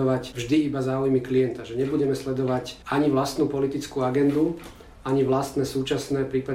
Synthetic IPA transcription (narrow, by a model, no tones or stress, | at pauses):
ɔʋacvʒd̪iibazaːujmiklijɛnt̪aʒɛɲɛbuɟɛmɛslɛd̪ɔʋacaɲiʋlast̪nupɔlit̪it͡skuaɡɛnd̪u | aɲiʋlast̪nɛːsuːt͡ʃasnɛːpɾiːpa